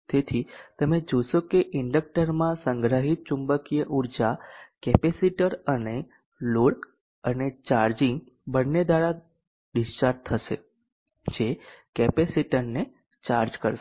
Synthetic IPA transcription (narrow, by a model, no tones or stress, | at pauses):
t̪et̪ʰit̪əmed͡ʒoʃokeʔɪɳɖək̚ʈəɾmãsəŋɡɾəɦit̪̚t͡ʃumbəkijəʔuɾd͡ʒakɛpesiʈəɾəne | loɽ | ənet͡ʃaɾd͡ʒiŋɡ | bənːed̪aɽa | ɖisʈaɾʈ̚t̪ʰːəʃḛ | d͡ʒekɛpesiʈəɾne | t͡ʃaɾd͡ʒkəɾ